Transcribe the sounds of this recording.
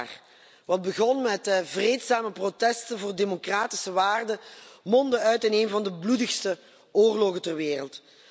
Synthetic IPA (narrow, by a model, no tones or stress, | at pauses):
r | ʋɑd̚bəɣɔnmɛtvreːtsaːməprotɛstənvoːrdeːmokraːtɪ̥səʋaːrdəmɔndəœɥtɪneːməvɑndəbludəxstə | oːrlɔɣətərʋeːrəlˠt